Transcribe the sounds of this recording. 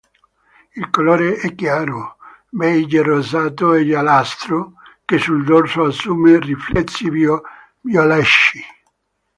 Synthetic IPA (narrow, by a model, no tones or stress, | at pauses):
ilkolɔːɾeɛkːjaːɾo | bɛjd͡ʒerozaːt̪oɛʎalast̪ɾokesːuld̪orsoasːuːmeriflɛt̪sːi | vjolɛʃːi